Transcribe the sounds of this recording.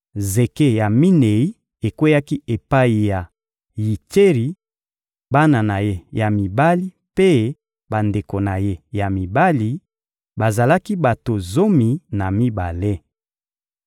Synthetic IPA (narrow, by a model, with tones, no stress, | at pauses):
ze˨ke˦ja˨mi˦ne˨i˦ | e˨kwe˦ja˦ki˦e˨pa˦i˨ja˨ | ji˨te˦ʁi˨ | ba˦na˨na˨je˦ja˨mi˨ba˦li˦ | pe˦ | ba˨nde˨ko˨na˨je˦ja˨mi˨ba˦li˨ | ba˨za˨la˦ki˦ba˨to˨zo˦mi˨na˨mi˦ba˨le˦